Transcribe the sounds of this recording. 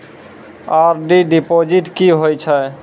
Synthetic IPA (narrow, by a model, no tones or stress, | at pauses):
aɾɖiɖipod͡ʒiʈkiɦojt͡ʃʰə